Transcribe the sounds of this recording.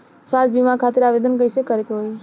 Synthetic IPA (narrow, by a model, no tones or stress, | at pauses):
sad͡ʒbimakʰat̪iɾaʋed̪ənkəjsekəɾekeɦoj